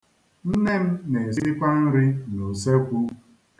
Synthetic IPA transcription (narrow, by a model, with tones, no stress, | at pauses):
n̩˦ne˦m̩˦ne˨zi˦ɾi˦ka˦n̩˦ɾɪ˦no˨se˦kʷu˦